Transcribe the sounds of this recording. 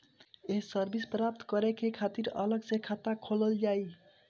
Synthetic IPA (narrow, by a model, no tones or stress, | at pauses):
eɦsəɾbispɾap̚t̪kəɾɛkekʰat̪iɾə̰ləɡsekʰat̪akʰoləld͡ʒaj